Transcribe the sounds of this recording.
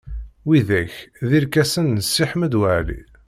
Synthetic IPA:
wiðæçðiɾkæsənːəsːiħməd̪wəʕlḭ

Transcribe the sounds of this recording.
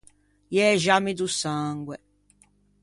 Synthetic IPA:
jɛʒamid̪usaŋɡwɛ

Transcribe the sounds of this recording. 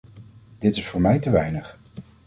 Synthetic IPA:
d̥ɪtɪsfʊːɹmɛjtəʋɛjnəχ

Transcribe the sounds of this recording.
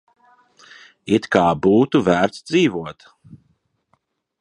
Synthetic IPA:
it̪kaːbuːt̪uvæːɾt̪sd̪ziːvuɔt̪

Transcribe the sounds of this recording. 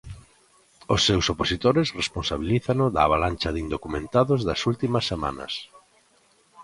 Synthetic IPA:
osːewsoposit̪oɾɪsresponsaβiliθanʊðaːβ̞alanʲt͡ʃɐðind̪okumẽnt̪aðʊzðɐsult̪imɐsːema̰nɐ̰s

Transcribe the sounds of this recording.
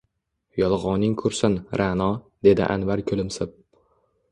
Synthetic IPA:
jɒlˠʁɒnɪŋkʰʊɾsɪnɾʔanɒd̪e̞d̪ɪ̰ʔa̰nvaɾkʲʰɵlɪmsɪp̚

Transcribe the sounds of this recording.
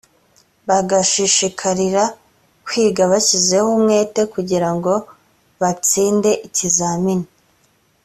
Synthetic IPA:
βaɡaʃiʃikʰaɾiɾa | kwiːɡaβaçize̞humŋe̞ːte̞kuɟiɾaŋɡo̞ | βat͡siːnde̞ʔicizaːmini

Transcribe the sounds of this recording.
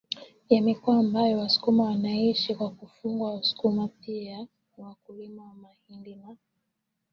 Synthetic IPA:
jamikuaːmbajɔwasu̥kumawanaiʃikwakufuŋɡwausu̥kumapia | wakulimawamahindima

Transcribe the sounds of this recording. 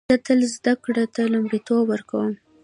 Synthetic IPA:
at̪əlzd̪akɽat̪alʊmɽit̪owəɾkawəm

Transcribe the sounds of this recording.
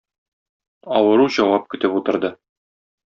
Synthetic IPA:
ɒwɤ̆ɾuʑɒwɑp̚kɵ̆t̪ɘput̪ɤ̆ɾd̪ɤ

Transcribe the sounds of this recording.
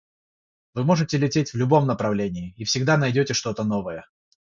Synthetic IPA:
vɨmo̞ʐɨtʲɪlʲɪtʲetʲvlʲʊbo̞mnəpɾɐvlʲenʲɪɪifsʲɪɡd̪anɐjdʲotʲɪʂt̪o̞t̪əno̞vəjə

